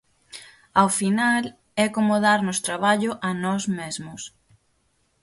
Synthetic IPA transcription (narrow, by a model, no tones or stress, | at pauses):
awfinal | ɛkomʊðaɾnʊst̪ɾaβ̞aʎʊʔɐnɔzmezmʊs